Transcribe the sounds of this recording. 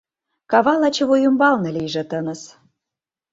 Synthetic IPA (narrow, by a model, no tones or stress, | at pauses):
kɑβɑlɑt͡ɕɤ̆βujumbɑlnɤ̆lijʒĕt̪ɤ̆nə̆s